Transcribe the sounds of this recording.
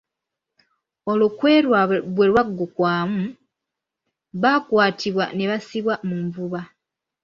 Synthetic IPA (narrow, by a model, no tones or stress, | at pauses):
o̞lokwe̞ɾwaβwe̞ɾwaɡːokwaːmu | βakwaːtʰiβwa̰ne̞βasiβwamuɱvuβa